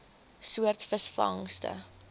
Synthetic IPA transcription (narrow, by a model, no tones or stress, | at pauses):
suərtfəsfɐ̰ŋstə̰